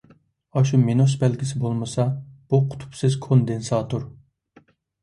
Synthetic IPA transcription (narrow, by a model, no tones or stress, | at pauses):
ɑʃumenusbɛlɡʲisɪbolˠmɨsɑb̥uqʰʊ̥t̪ʰu̥psɪzkʰond̪ensɑːt̪ʰoɾ